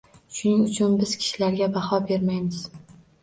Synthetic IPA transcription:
ʃʊnɪŋʊt͡ʃʰʊnbɪz̥kʲʰɪ̥ʃɪlaɾɡʲabɑhɒbe̞ɾmajmɪz

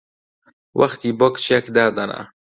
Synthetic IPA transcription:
wʔɐ̰xt̪iːbokt͡ʃʰjɛkd̪aːd̪ɐna̰

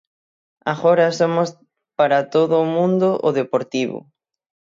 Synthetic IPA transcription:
aɣoɾɐsomʊs | paɾat̪oðʊːmũnd̪oʔʊðepoɾt̪iβʊ̰

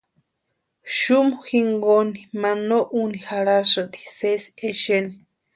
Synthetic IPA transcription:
ʃumoxiŋɡonimanoʔunihaɺasɨt̪i̥seseʃeni

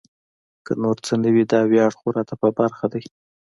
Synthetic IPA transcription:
kənoɾt͡sənəwid̪ɑwjɑɽxuɾɑt̪apəbaɾxad̪aj

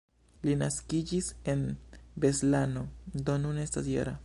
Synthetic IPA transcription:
linaskid͡ʒise̞nbe̞slano̞d̪o̞nune̞stasjḛɾa

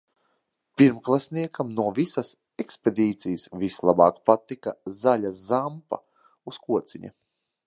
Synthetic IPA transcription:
piɾmklˠasniɛkamnuɔvisas | ekspʲed̪iːt̪sijəsvislˠabɑːkpat̪ikazaʎʲazampa̰ | uskuɔt̪siɲʲa̰

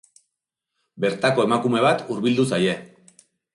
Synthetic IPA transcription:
be̞ɾt̪ako̞e̞makume̞β̞at̪uɾβild̪usaje̞

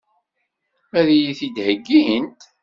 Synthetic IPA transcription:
æðijiθid̪həɡːiɦənt̪

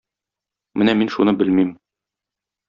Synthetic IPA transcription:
mɘnæminʃunɤbɘlmim

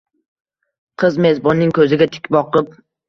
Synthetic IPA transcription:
qʰɨzme̞zbɒnːɪŋkʰɵzɪɡʲat̪ʰɪ̥kʲbɒqɨp̚

